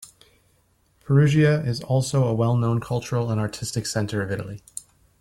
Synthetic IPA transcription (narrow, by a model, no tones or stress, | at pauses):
pʰə˞ʉʒiɨɪzɔlˠsoʊəwɛlˠnõʊ̃nkʰʌlˠt͡ʃə˞l̩ˠə̃nɑɹtʰɪstɨksɛ̃ntʰə˞ʌvɪɾl̩ˠi